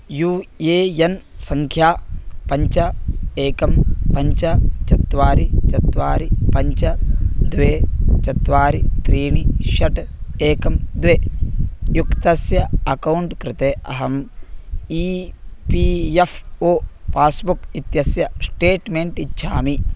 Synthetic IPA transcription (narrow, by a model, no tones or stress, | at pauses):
juːeːjɐnsɐŋkʰjaːpɐɲt͡ʃɐeːkɐmpɐɲt͡ʃɐt͡ʃɐt̪ʋaːɾit͡ʃɐt̪ʋaːɾipɐɲt͡ʃɐd̪ʋeːt͡ʃɐt̪ʋaːɾit̪ɾiːɳiʃɐʈeːkɐmd̪ʋeːjukt̪ɐsjɐɐkɐwuɳʈkɾɪt̪eːʔɐɦɐm | ipijefʰoːpaːsbukit̪jɐsjɐsʈeːʈmeːɳʈiʃʰaːmi